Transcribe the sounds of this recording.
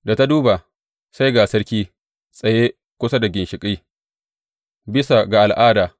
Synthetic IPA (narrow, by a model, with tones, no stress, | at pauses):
da˨ta˦duː˦ba˨ | sa˦jɡaː˨sɐ˦ɽkʲiː˦ | sʼɐ˨jeː˦ | kʷʊ˦sa˦da˨ɡʲɪ˨nʃɪ˨kʼiː˦ | bɪ˦sa˨ɡa˨ʔa˨lʔaː˦daː˨